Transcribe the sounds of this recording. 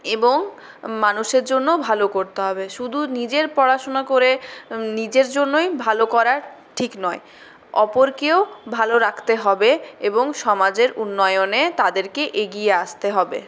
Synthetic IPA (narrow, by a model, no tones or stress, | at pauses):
eboŋ | manuʃeɾd͡ʑonːobʱalokoɾt̪eɦɔbeʃud̪ʱunid͡ʑeɾpɔɾaʃonakoɾenid͡ʑeɾd͡ʑonːojbʱalokɔɾaɾ | ʈʰiknɔe | ɔ̰poɾkeobʱaloɾakʰt̪eɦɔbeeboŋʃɔmad͡ʑeɾunːɔeonet̪ad̪eɾkeʔeɡijeaʃt̪eɦɔbḛ